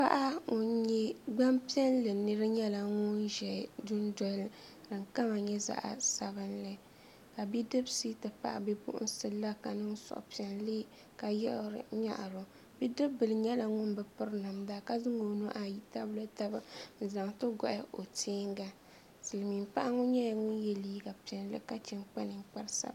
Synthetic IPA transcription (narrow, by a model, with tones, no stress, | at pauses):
pa̰˦ʔa˦o˦ɲɛ˦ɡ͡ba˦mpi˦ɛ˦nlɨ˨nɨ˦ɾɨ˦ɲɛ˦la˨ŋʊ˦nʒɛ˨dʊ˦n˦dɔ˨˦l | dɨ˨ŋka˦ma˨ɲɛ˦za̰˦ʔa̰˨sa˨bɨ˦nlɨ˦ | ka˨bi˦dɨ˦bsi˦tɨ˨pa̰˦˨ʔa̰˨bɛ˦pʊ̰˦ʔʊ̰˦n̩˦sɨ˨˦la˦ka˨nɨ˦ŋsɔ̰˨ʔpi˨˦ɛ˨nliː˦ | ka˨jɪ˦ʔɾɨ˨ɲa̰˦ʔɾʊ˨ | bi˦dɨ˦bːɨ˨lɨ˨ɲɛ˦la˨ŋʊ˦nbɨ˨pɨ˦ɾna˨mda˦ka˦zɨ˦ŋo˨no˦ʔa˨ji˦ta˦blo˦ta˦ba˦n̩˨za˨ŋtɨ˦ɡɔ̰˦ʔɪ˦ʔo˨tʰeː˦ŋ˦ɡa˦ | sɨ˨lmi˨mpa˦ʔa˦ŋʊ˦ɲɛ˦˨ŋʊ˦njɛ˨liː˦ɡa˨pi˨ɛ˨n˦lɨ̰˦ka˦t͡ʃɛ˨nk͡pa˦nɨ˨ŋ˦k͡pa˦ɾsa̰˦˨˦